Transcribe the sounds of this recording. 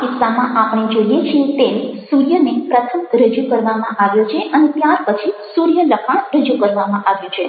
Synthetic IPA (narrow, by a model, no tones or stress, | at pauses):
kɪsːamãʔapɳ̃ed͡ʒoijet͡ʃʰiet̪emsuɾjənepɾət̪ʰəmɾəd͡ʒukəɾʋamãʔaʋjot͡ʃʰeʔənet̪jaɾpət͡ʃʰisuɾjələkʰaɾəd͡ʒukəɾʋamãʔaʋjũt͡ʃʰe